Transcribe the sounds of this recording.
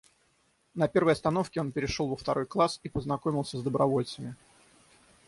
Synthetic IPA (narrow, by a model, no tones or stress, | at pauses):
nɐpʲe̞rvəjɐst̪ɐno̞fkʲɪo̞npʲɪɾʲɪʂolˠvəft̪ɐɾo̞jklˠasipəznɐkomʲɪlˠsʲəzd̪əbɾɐvo̞lʲt̪səmʲɪ